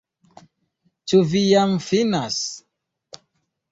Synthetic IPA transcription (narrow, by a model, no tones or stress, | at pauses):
t͡ʃuvijamfinas